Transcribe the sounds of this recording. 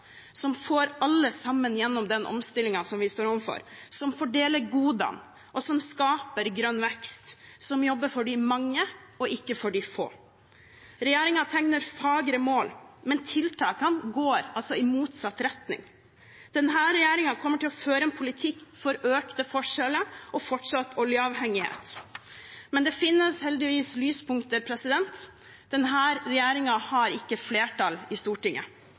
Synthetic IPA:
sɔmfoːɾɑlːəsɑmːənjɛnːɔmd̪ɛnʔɔ̰mst̪ɪlɪŋɑsɔmʋɪst̪oːɾɔmfɔ̰ɾsɔmfɔɖeːləɾɡuːd̪ɑ̰n | ʔɔsɔmskɑːpəɾɡɾœnːʋɛkst̪sɔmjɔbːəɾfɔɖɪmɑŋːə | ɔʔɪkːəfɔɖɪfo̰ː | ɾɛjeːɾɪŋɑt̪ʰɛŋnəɾfɑːɡɾəmoːlmɛnt̪ʰɪlt̪ʰɑ̰ːkɑnɡoːɾɑlsɔɪmuːt̪sɑt̪ːɾɛt̪nɪ̰ŋ | d̪̥ɛnɦæːɾɛjeːɾɪŋɑkʰɔmːəʈɪlɔføːɾəɛnpʰʊlɪt̪ʰɪkːfɔɾøːkt̪əfɔʂɛləʔɔfɔʈʂɑt̪ːɔljəɑʋhɛŋːɪhḛːt̪ | mɛnd̪ɛfɪnːəshɛld̪ɪʋiːslyːspʰʊŋkt̪əpʰɾɛsɪd̪ɛnt̪ | d̪̥ɛnɦæːɾɾɛjeːɾɪŋɑhɑɾɪkːəfleːʈʰɑlɪst̪uːʈɪŋːʔə̰

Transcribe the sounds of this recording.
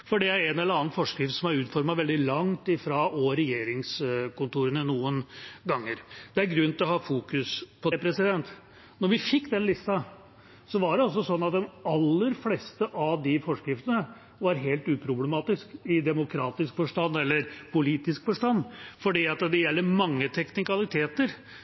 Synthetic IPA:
fɔɖɛæɾɛnɛlːəɾɑːnnfɔʂkɾɪft̪sɔmæɾʉːt̪fɔɾmɑʋɛld̪ɪlɑŋt̪ɪfɾɑʔɔɾɛjeːɾɪŋskʊnt̪uːɾənənuːənɡɑŋːəɾd̪̥ɛæɾɡɾʉnːt̪ɪlɔhɑːfuːkʉspʰɔpʰɾɛsɪd̪ɛnt̪ | nɔɾʋɪfɪkːd̪ɛnlɪst̪ɑ | sɔʋɑɖɛɔls̬ɔsɔnːɑt̪̚d̪ɛnɑlːəɾfleːst̪əʔɑʋd̪ɪfɔʂkɾɪft̪ənə | ʋɑɾɦeːlt̪ʉːpʰɾʊblɛmɑːt̪ɪskɪd̪ɛmʊkʰɾɑːt̪ɪskfɔʂʈɑnːɛlːəɾpʰʊliːt̪ɪskfɔʂʈɑnːfɔɖiːɑt̪d̪ɛjɛlːəɾmɑŋːət̪ʰɛknɪkɑlɪt̪ʰeːt̪əɾ

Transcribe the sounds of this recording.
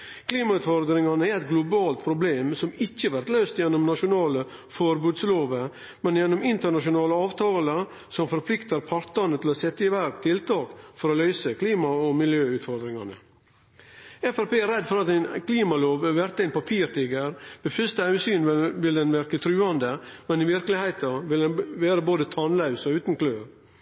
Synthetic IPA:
kʰliːmɑʉːt̪fɔɾd̪ɾɪŋɑnəæɾɛt̪ɡlʊbɑːlt̪pʰɾʊbleːmsɔmɪçːəʋæɾt̪løːst̪jɛnːʊmnɑʂʊnɑːlə | fɔɾbʉːd̪sloːʋə | mɛnjɛnːʊmɪnt̪əɳɑʂʊnɑːləɑːʋt̪ʰɑːlə | sɔmfɔɾpʰlɪkt̪əɾpʰɑɾt̪ɑnət̪ʰɪlɔsɛt̪ːəɪʋæɾkt̪ʰɪlt̪ɑːkfɔɾɔlœʏsəkʰliːmɑɔmɪljøːʉːt̪fɔɾd̪ɾɪŋɑnə | ɛfæɾpeːæɾɛd̪ːfɔɾɑt̪æɪnkʰliːmɑloːʋʋæɾt̪əæɪnpɑpʰiːɾt̪ʰɪɡəɾbɛfʏst̪əhɑʉsyːnʋɪld̪ɛnʋæɾkət̪ʰɾʉːɑnd̪əmɛnɪʋɪɾkəlɪhæɪt̪ɑʋɪlʋeːɾəboːd̪ət̪ʰɑnlɑʉsɔʉːt̪n̩kʰløːɾ

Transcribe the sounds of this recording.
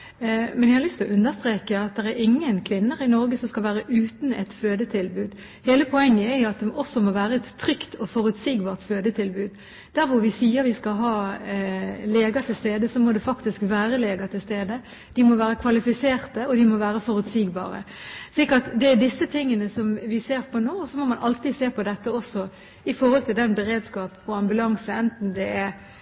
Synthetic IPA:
mɛnjæhɑlʏst̪lɔʔʉnd̪əst̪ɾeːkəɑt̪̚d̪ɛɾæɾɪŋːənkʰʋɪnːəɾɪnɔɾɡəsɔmskɑlʋæːɾəʔʉːt̪n̩ɛt̪føːd̪ət̪ʰɪlbʉːd̪ | heːləpʰɔɛŋːəɛɾjʊɑt̪̚d̪ɛʔɔsːɔmoʋæːɾəɛt̪ʰːɾʏkt̪ʰɔfɔɾʉt̪siːɡbɑːʁt̪føːd̪ət̪ʰɪlbʉːd̪ | d̪̥æɾʋʊɾʋɪsiːəɾʋɪskɑlɦɑː | leːɡət̪ʰɪlst̪eːd̪əsɔmɔd̪ɛfɑkt̪ɪskʋæːɾəleːɡət̪ʰɪlst̪eːd̪ə | d̪̥ɪmɔʋæːɾəkʰʋɑlɪfɪseːʁt̪əɔd̪ɪmɔʋæːɾəfɔɾʉt̪siːɡbɑ̰ːɾə̰ʂliːkɑt̪d̪ɛæd̪ɪsːət̪ʰɪŋːənəsɔmʋɪseːɾpʰɔnoːɔsɔmɔmɑnʔɑlt̪iːd̪seːpʰɔd̪ɛt̪ːəɔsːɔ | ɪfɔɾhɔlt̪ʰɪld̪ɛnbəɾeːd̪skɑːpɔɑmbʉlɑŋsəɛnt̪n̩d̪ɛæ

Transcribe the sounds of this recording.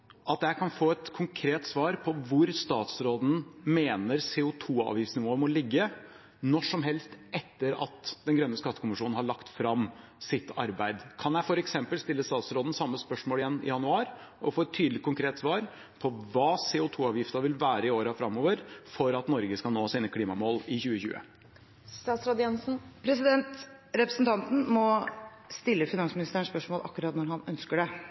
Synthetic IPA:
ʔɑt̪jæɪkʰɑnfoːɛt̪kʰʊŋkʰɾeːt̪sʋɑːɾpʰɔʋʊɾst̪ɑːt̪sɾoːd̪n̩meːnəɾseːʊt̪ʰuːɑ̰ːʋjɪft̪snɪʋoːəmɔlɪɡːə | nɔʂɔmɦɛlst̪ɛt̪ːəɾɑ̰t̪d̪ɛnɡɾœnːəskɑt̪ːəkʰʊmɪʂuːnn̩hɑɭɑkt̪fɾɑm | sɪt̪ːɑ̰ɾbæɪd̪kʰɑnjæɪfɔɾɛksɛmpəlst̪ɪlːəst̪ɑːt̪sɾoːd̪n̩sɑmːəspœʂmoːlɪjɛnːɪ̰jɑnʉɑːɾɔfoːɛt̪ʰːyːd̪əlɪkʰːʊŋkʰɾeːt̪sʋɑːɾ | pʰɔʋɑːseːʊt̪ʰuːɑːʋjɪft̪əʋɪlʋæːɾəɪoːɾəfɾɑmoːʋəɾfɔɾɑt̪nɔɾɡəskɑlnoːsiːnəkʰliːmɑmoːlɪçʉːəçʉ̰ːə̰ | st̪ɑːt̪sɾɑd̪jɛnsn̩pʰɾɛsɪd̪ɛnt̪ | ɾɛpɾəsn̩t̪ʰɑnt̪n̩mɔ | st̪ɪlːəfɪnɑnsmɪnɪst̪æːəɳspœʂmoːlʔɑkːʊɾɑːt̪nɔɾɦɑnœnskəɖɛ

